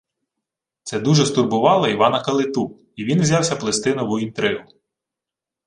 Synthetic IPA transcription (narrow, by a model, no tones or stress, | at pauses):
t̪sɛd̪uʒɛst̪ʊrbʊʋɑlˠɔiʋɑnɐkɐlˠɪt̪u | iʋʲinʋzʲɑwsʲɐplˠest̪ɪnɐʋʊint̪ɾɪʋʊ